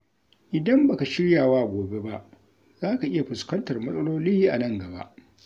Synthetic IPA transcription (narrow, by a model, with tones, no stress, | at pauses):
ʔɪ˨dɐ˦mba˨ka˨ʃɪ˦ɽjaː˨waː˦˨ɡʷoː˨be˦ba˦ʔ | z̥aː˦ka˨ʔɪ˦ja˨ɸɪ˨skɐ˦ntɐ˨rmɐ˦sʼɐ˦loː˦liː˦ʔa̰˨nɐ˦˨ŋɡɐ˨ba̰˦ʔ